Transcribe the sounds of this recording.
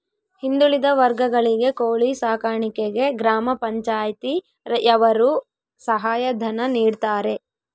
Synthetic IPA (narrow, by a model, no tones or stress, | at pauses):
hind̪uɭid̪ɐʋɐɾɡɐɡɐɭiɡe̞koːɭisaːkaːɳikeɡe̞ɡɾaːmɐpɐɲt͡ʃaːjt̪i | ɐʋɐɾu | sɐɦaːjɐd̪ʱɐnɐniːɖt̪aːɾe̞